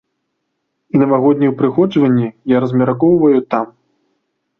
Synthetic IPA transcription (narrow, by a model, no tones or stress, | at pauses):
inɐvaɣɔd̪̚ʲnʲiwpɾɨxɔd͡ʐvɐnʲːijaɾɐzmʲɛɾakɔwvɐjut̪am